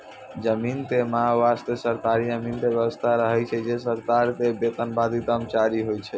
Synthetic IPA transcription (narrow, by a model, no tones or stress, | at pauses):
d͡ʒəmint̪emaɦaʋast̪esəɾk̪aɾijəmint̪ebjəbəst̪ʰaɾəɦɛt͡ʃʰɛd͡ʒesəɾt̪aɾt̪ebet̪ənbad̪it̪amt͡ʃaɾiɦojt͡ʃʰɛ